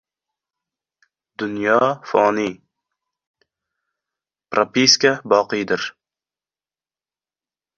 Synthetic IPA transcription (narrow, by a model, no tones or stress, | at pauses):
d̪ʊnjɒfɒni | pɾʔapiskabɒqɨjd̪ɪɾ